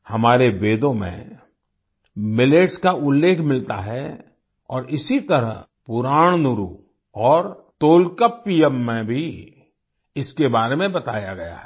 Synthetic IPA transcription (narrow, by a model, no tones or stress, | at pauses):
hɐmaːɾeʋeːd̪õmḛ̃ | mɪleːʈskaʔʊlːeːkʰmɪlt̪a̰ɦɛ | ɔ̰ːɾɪsit̪ɐɾə̰ɦ | pʊɾaːɽ̃nʊɾṵ | ɔːɾt̪oːlkəpːiːjɛmːẽbʱi | ɪskebaːɾemẽbɐt̪aːjaɡɐja̰ɦɛ